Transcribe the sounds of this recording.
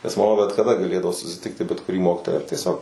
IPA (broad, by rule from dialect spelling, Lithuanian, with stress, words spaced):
nʲɛs mɐˈmɐ bʲɛt kɐˈdɐ ɡɐˈlʲeːdɐʋoː sʊsʲɪˈtʲɪktʲɪ bʲɛt kʊˈrʲiː ˈmoːkʲiːtoːjæː ɐr tʲiɛˈsʲoːk